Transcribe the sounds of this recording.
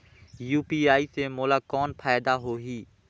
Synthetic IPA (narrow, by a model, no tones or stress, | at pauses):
juːpiːaːiːsemoːlaːkɔːnpʰaːjd̪aɦoːɦiː